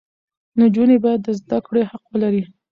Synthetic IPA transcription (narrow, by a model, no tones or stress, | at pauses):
nod͡ʒunebajad̪ːəzd̪akɽehaqwəlaɾi